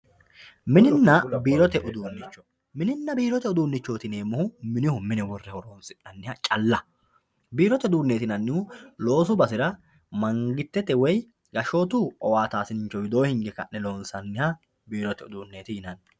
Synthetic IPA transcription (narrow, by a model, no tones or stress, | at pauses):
mɪnɪnːɐbiːɾɔt̪ɛʔʊd̪uːnːɪt͡ʃːɔ̥ | mɪnɪnːɐbiːɾɔt̪ɛʊd̪uːnːɪt͡ʃːo̞ːt̪ɪneːmːʊhʊmɪnɪhʊmɪnɛwɔrːɛhɔɾoːnsɪnɐnːɪhɐt͡ʃʼɐlːɐ | biːɾɔt̪ɛʊd̪uːnːe̞ːt̪ɪnɐnːɪhʊlo̞ːsʊbɐsɪɾɐ | mɐŋɡɪt̪ːɛt̪ɛwɔj | ɡɐʃo̞ːt̪uɔwaːt̪aːsɪnɪnt͡ʃːɔwɪd̪o̞ːhɪŋɡɛkɐ̰ʔnɛlo̞ːnsɐnːɪhɐ | biːɾɔt̪ɛʊd̪uːnːe̞ːt̪ɪjɪnɐn